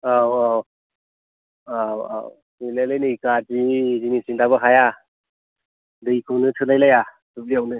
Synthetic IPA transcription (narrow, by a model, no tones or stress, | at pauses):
awa | aa̰ | nɯlajlajnɯkadizinisindaβɯɦaja | dɯjkʰɯnɯtʰɯlajlaja | sɯp̚liawnɯ